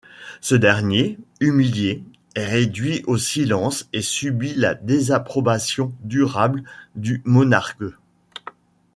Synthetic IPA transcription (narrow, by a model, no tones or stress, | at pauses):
səd̪ɛʁnjeymilje | ɛʁed̪ɥiʔosilɑ̃sesybila̰d̪ezapχɔbasjɔ̃d̪yʁabld̪ymɔnaʁk